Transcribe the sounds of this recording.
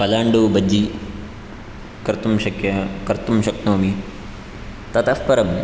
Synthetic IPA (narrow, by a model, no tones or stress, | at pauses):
pɐlaːɳɖuːbɐd͡ʒi | kɾɪt̪umʃɐkjɐkɐɾt̪umʃɐknoːmi | t̪ɐt̪ɐfpɐɾɐm